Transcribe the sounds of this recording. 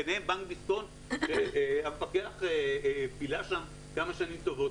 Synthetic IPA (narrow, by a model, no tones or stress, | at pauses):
eneembaŋk̚bist̪o̞n | ʃeafakeaχepilaʃam | kamaʃanimt̪o̞vo̞t